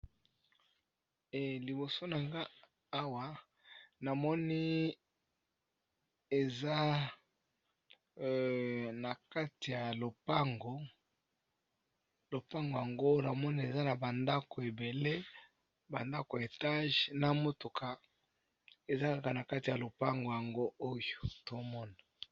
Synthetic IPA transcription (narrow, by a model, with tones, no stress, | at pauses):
ɛ˨li˨bo˨so˦na˨ŋɡa˦ | a˦wa˨ | na˨mɔ˦ni˦ | e˨za˦ | na˨ka˦ti˨ja˨lo˨pa˦ŋɡo˨ | lo˨pa˦ŋɡo˨ja˨ŋɡo˦na˨mɔ˦ni˦˨e˨za˦na˨ba˨nda˦ko˨e˨be˨le˦ | ba˨nda˦ko˨e˨ta˦ʒna˦mo˦tu˨kʰa˨ | e˨za˦ka˦˨ka˨na˨ka˦ti˨ja˨lo˨pa˦ŋɡo˨ja˨ŋɡo˦o˦jo˨to˦mɔ˦na˨